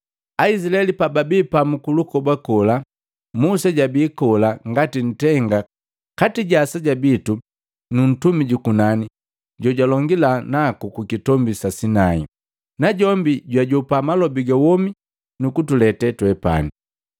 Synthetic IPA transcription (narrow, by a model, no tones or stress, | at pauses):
ais̬ilaɛlipababipamukulukɔbakɔla | musaɟabiːkɔlaŋɡatin̩tɛŋɡa | katiɟasaɟabitu | nun̩tumiɟukunani | ɟɔɟwalɔŋɡilanakukukitɔmbisasinaḭ | naɟɔmbiɟwaɟɔpamalɔbiɡawɔmi | nukutulɛtɛtwɛpa̰ni